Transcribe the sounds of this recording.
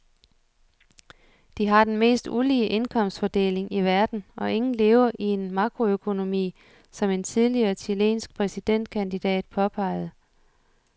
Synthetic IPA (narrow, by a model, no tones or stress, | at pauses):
d̥iɦɑ̈d̥enme̝̰ːsd̥uliːəʔe̝nkʰɒ̽m̰sd̥fɒd̥e̝̰ːle̝ŋiʋæɐd̥n̩ɒ̽ʔe̝ŋn̩le̝ːʊɐʔie̝nmɑ̈ɡ̥ʁo̝økʰo̝no̝mḭː | sɒ̽me̝nt͡sʰið̞ˠliɐːt͡sʰile̝̰ːnsɡ̥̚pʰʁɛsid̥en̰d̥̚kʰænd̥id̥ɛ̰ːd̥̚pʰɒ̽pʰɑ̈ɪ̰ð̞̩ˠ